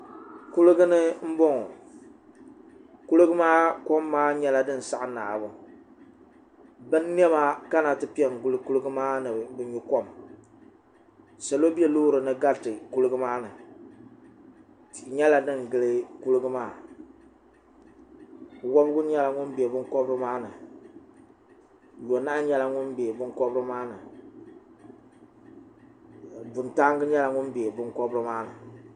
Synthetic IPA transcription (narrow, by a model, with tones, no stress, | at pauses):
ku˦lɨ˦ɡɨ˦nɨ˦m̩˦bo˦ŋɔ˨ | ku˦lɨ˦ɡɨ˦maː˦ko˦mːaː˦ɲɛ˦la˦dɨ˦n̩˨sa˦ʔɨ˨na̰ː˨bʊ˨ | bɨ˦n˦ni˦ɛ˦maː˦ka˦na˨tɨ˦pi˦ɛ˨ŋ˨ɡʊ˦lɨ˦ku˦lɨ˦ɡɨ˦maː˦nɨ˨bɨ˨ɲu˦ko˦m | sa˨lo˦bi˦ɛ˦loː˦ɾɨ˨nɨ˦ɡa˦˨tɨ˨ku˦lɨ˦ɡɨ˦maː˦nɨ˨ | ɲɛ˦la˨nɨ˦ŋ˨ɡɨ˦lɨ˦ku˦lɨ˦ɡɨ˦maː˦˨ | wɔ˦bɨ˦ɡʊ˦ɲɛ˦la˨ŋʊ˦nbi˨e˨bʊ˦ŋkɔ˦bɾɨ˦maː˦nɨ˨ | jo˨na˦ɲɛ˦la˦ŋʊ˦nbe˨e˨bɨ˦ŋkɔ˦bɾɨ˦maː˦nɨ˨ | bʊ˨nta˦ŋɡɨ˦ɲɛ˦la˨ŋʊ˦nbe˨e˨bɨ˦ŋkɔ˦bɾɨ˦maː˦nɨ̰˨